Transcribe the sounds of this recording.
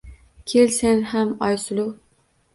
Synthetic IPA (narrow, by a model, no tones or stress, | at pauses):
kʲʰelsenhamɒjsʊlˠʊ